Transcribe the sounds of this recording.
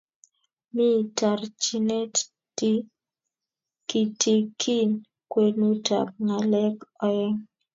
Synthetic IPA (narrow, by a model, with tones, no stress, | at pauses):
mi˦˨ta˨rt͡ʃi˦ne˦t | ti˦ | ki˨tʰi˨kʰi˦n | kwe˨nu˦ta̰˨p̚ŋa˨lɛ˦kɔ˦ɛ˦ŋ